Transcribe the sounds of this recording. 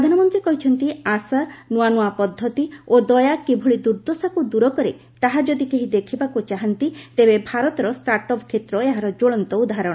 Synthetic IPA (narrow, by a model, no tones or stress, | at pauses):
pɾɔd̪ʱanɔmɔnt̪ɾikɔɦit͡ʃʰɔnt̪iasanuanuapɔd̪ʱːɔt̪iod̪ɔjakibʱuɭid̪uɾd̪osakud̪uɾɔkɔɾe | t̪aɦad͡ʒɔd̪ikeɦid̪ekʰibakut͡ʃaɦant̪it̪ebebʱaɾɔt̪ɔɾɔsʈaɾʈɔpkʰet̪ɾɔeɦaɾɔd͡ʒoɭɔnt̪ɔud̪aɦaɾɔɽ̃ɔ